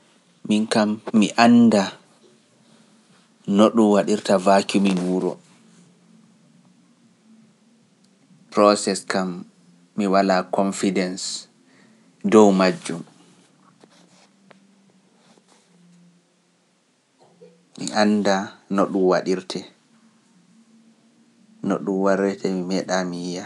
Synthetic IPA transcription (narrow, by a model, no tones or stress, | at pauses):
minkamːiʔanda | noɗumwaɗiɾtavakuminuːɾɔ̰ | pɾɔsɛskamː | iwalakɔnfidɛns | dɔwmad͡ʒːum | mḭʔanːdanɔɗumwaɗiɾtʰɛ | nɔɗumwaɾɛtʰɛmimɛɗamiːja